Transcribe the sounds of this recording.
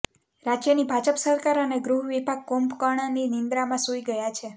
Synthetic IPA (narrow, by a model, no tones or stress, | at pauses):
ɾad͡ʒjənibʱad͡ʒəpsəɾkaɾəneɡɾuɦʋibʱaɡ̚kompkaɽ̃aninind̪ɾamãsuiɡəjat͡ʃʰe